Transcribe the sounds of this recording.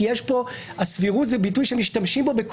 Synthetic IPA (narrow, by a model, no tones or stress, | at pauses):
jeʃbo̞ | asviʁutzebitujʃemiʃtamʃimbo̞be̞k